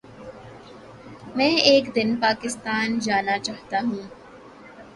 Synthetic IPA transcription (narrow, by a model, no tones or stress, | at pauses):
mɛ̃ːeːkd̪ɪnpaːkɪst̪aːnd͡ʒaːnaːt͡ʃaːht̪aːɦũː